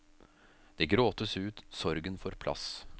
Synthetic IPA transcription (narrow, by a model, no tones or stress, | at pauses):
d̪̥eɡɾoːt̪əsʉːt̪sɔɾɡənfɔɾpʰlɑ̰s